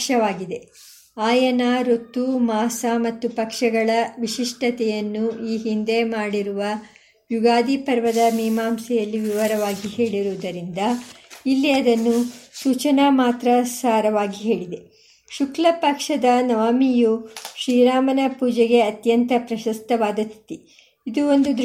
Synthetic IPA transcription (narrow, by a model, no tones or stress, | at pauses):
ʂɐʋaːɡid̪e̞ | aːjɐnaɾot̪ːumaːsamɐt̪ːupɐkʂɐɡɐɭɐʋiʃiʂʈɐt̪ɛjɐnːuiːɦind̪e̞maːɽiɾuʋɐ | juɡaːd̪ipɐɾʋɐd̪ɐmiːmaːmsɛjɐlːiʋiʋɐɾɐʋaːɡihe̞ːɭiɾuʋd̪ɐɾind̪ɐilːiɐd̪ɐnːusuːt͡ʃɐnaːmaːt̪ɾɐsaːɾɐʋaːɡiɦe̞ːɭid̪e̞ | ʃuklɐpɐkʂɐd̪ɐnɐʋaːmijuʃɾiːɾaːmɐnɐpuːd͡ʒɛɡe̞ɐt̪jɐnt̪ɐpɾɐʃɐst̪ɐʋaːd̪ɐt̪ːi | id̪uo̞nd̪ud̪